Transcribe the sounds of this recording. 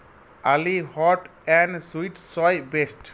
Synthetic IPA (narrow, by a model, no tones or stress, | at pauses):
alihɔʈɛ̃nɖswiʈsɔjbesʈ